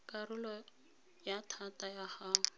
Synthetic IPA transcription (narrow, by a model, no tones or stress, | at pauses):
kʼarʊlɔ | jatʰatajahaːŋ̩